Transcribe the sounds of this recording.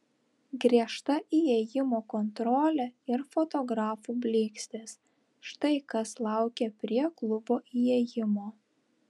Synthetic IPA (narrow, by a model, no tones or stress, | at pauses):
ɡɾʲiɛʃt̪ɐʔiɛjɪmoːkɔnt̪ɾɔːlʲɛɪɾfot̪ɔɡɾɑːfuːbʲlʲeːksʲt̪ʲes | ʃt̪ɐɪkɐslˠɑˑʊkʲɛpʲɾʲiɛklˠʊboːʔijɛjɪmoː